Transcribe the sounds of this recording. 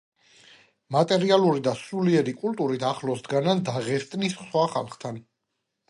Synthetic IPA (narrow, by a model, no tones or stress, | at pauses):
mat̪ʼɛɾialˠuɾid̪asuliɛɾikʼult̪ʼuɾit̪ʰaχlɔsd̪ɡanand̪aʁɛst̪ʼnisswaχa̰lˠχt̪ʰan